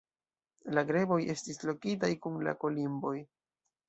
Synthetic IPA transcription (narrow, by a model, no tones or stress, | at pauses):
laɡɾe̞bo̞je̞stislo̞kitajkunla̰ko̞limbo̞j